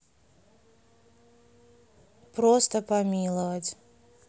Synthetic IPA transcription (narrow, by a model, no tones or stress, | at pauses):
pɾost̪əpɐmʲilˠəvətʲ